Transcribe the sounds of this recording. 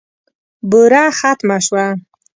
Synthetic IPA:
bʊɾaxat̪maʃwa

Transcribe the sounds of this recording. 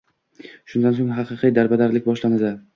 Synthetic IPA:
ʃʊnd̪ansoŋɦɑqɨqʰijd̪aɾbad̪aɾlɪk̚ʲbɒʃlanɪsa

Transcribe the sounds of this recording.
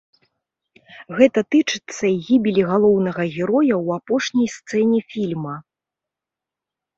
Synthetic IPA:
ɣɛt̪ɐt̪ɨt͡ʂɨ̥t̪sːɐɣʲibʲilʲiɣalˠɔwnɐɣɐɣʲɛɾɔjɐwapɔʂnʲɐjst̪sɛnʲifʲilʲmɐ

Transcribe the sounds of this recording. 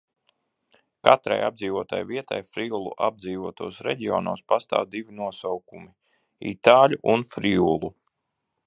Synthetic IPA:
kat̪ɾa̰jab̚d̪ziːvuɔt̪a̰jviɛt̪a̰jfɾiulˠṵʔab̚d̪ziːvuɔt̪uɔsɾɛɟiɔ̰nuɔspast̪a̰ːwd̪ivinuɔsawkumi | ḭt̪aːlʲuʔunfɾiulˠu

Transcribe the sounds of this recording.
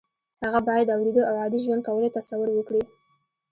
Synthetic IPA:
haɣabɑjad̪awɾed̪əawɑd̪iʒwand̪̚kawəlet̪asawʊɾwəkɽi

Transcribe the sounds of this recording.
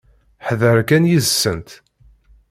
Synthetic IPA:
ħðəɾkænjizsːənt̪

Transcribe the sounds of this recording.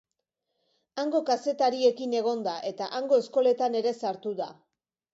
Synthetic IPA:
aŋɡo̞kase̞t̪aɾie̞kine̞ɣ̞o̞nd̪aʔe̞t̪aʔaŋɡo̞e̞sko̞le̞t̪ane̞ɾe̞saɾt̪uða

